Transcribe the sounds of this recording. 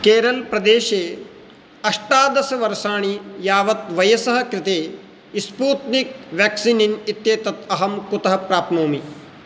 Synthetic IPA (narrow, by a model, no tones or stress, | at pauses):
keːɾɐlpɾɐd̪eːʃeː | ɐʂʈaːd̪ɐsɐʋɐɾʃaːɳ̃ijaːʋɐt̪ʋɐjɐsɐɦɐ̆kɾɪt̪eː | ispuːt̪nik̚ʋjaːksininit̪jeːt̪ɐt̪ɐɦɐmkut̪ɐɦɐpɾaːp̪̚moːmi